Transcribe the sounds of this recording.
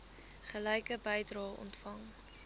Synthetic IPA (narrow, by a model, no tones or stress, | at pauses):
χəlɛjkəbɛjdrɑːɔ̰ntfɐŋ